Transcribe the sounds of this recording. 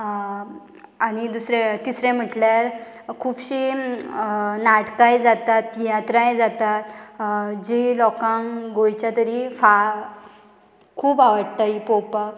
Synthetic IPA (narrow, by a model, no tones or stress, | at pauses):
añid̪usɾẽt̪isɾɛ̃m̤əʈljaɾ | kʰuːbɕi | naʈkajd͡zat̪at̪jãt̪ɾajd͡zat̪at̪ | d͡ʑilɔkãŋɡojt͡ɕjat̪əɾifa | kʰuːbaʋəɽt̪aipopak